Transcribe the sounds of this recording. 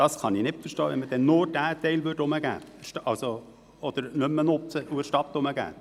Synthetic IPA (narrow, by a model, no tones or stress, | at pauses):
d̥ɑskɑnɪnɪtfəɾʃtoːʋɛ̰nməd̥̪ɛnnʊɾd̥æːtɛɪlʋʏdʊməɡ̥æ̰ːʃɑlso | ɔd̪əɾnɵmːənʊt͡səʔuəɾʃtɑt̪ːʊməɡæ̰ː